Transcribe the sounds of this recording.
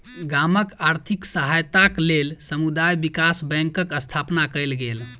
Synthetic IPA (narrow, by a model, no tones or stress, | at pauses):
ɡaməkaɾt̪ʰiksəɦajt̪aklelsəmud̪ajbikasbɛ̃ŋkəkəst̪ʰapnakəjlɡel